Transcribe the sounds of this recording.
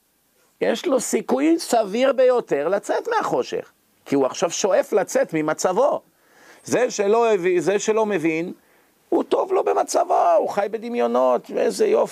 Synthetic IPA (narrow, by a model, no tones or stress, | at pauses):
jeʃlo̞sikujsaviʁbe̞jo̞t̪e̞ʁlat͡set̪meaχo̞ʃe̞̰χ | kiuaχʃavʃo̞e̞flat͡set̪mimat͡savo̞ | zeʃelovizeʃelo̞me̞vin | ut̪o̞vlo̞be̞mat͡savouχajbe̞d̪imjo̞no̞t̪veezejof